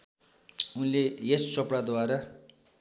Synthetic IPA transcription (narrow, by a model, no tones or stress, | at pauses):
unlejest͡sʌpɽad̪waɾa